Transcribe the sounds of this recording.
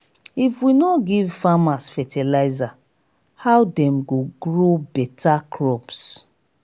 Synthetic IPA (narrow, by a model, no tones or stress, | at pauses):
ifwinɔɡivfamasfɛtʰɛlaɪza | hawdɛ̃mɡoɡɹobɛtakʰɹɔbs